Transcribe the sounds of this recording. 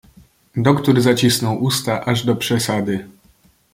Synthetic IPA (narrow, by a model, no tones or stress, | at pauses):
d̪ɔkt̪uɾzat͡ɕisnɔwʔust̪aʔaʐd̪ɔpʂɛsad̪ɘ